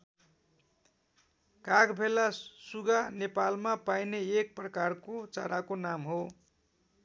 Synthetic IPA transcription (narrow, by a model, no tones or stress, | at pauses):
kaɡbʱelasuɡanepalmapajneek̚prʌkarkot͡saɾakonamɦo